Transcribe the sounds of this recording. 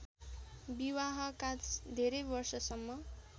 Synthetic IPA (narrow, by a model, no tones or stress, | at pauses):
biwaɦʌkãt͡sd̪ʱeɾebʌrsʌsʌmːʌ